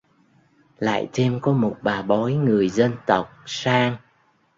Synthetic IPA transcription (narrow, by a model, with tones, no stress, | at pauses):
la̰ː˧˨jt͡ɕɛ˧mkɔ˨˦mo˨˩t̚ɓaː˨˩ɓɔ˨˦jŋɨ˨˩əjzə˧nt̪ə˨˩wk͡p̚saː˧ŋ